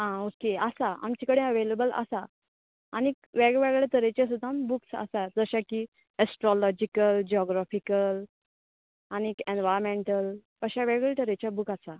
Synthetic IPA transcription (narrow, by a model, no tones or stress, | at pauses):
ɦãokeəsaa̰mt͡ɕikəɽẽəʋelebələ̰sa | añi | ʋɛɡʋɛɡɭeʈ̪əɾet͡ɕas̬ud̪ʱãmbuksə̰sad͡zəɕaki | əsʈɾɔlɔd͡ʑikəld͡ʑiɔɡɾafikəl | añikẽnʋajɾmeɳʈəl | əɕaʋɛɡɭeʈ̪əɾet͡ɕjabukasa